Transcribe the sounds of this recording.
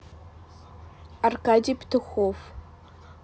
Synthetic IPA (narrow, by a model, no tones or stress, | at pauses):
arkadiːptʰɨxʷof